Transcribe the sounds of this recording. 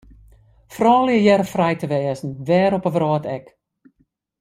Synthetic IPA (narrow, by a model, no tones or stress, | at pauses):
frɔːljəjɛɾəfrɛjtəʋɛːzn̩ʋɛːɾɔpəʋrɔːtɛk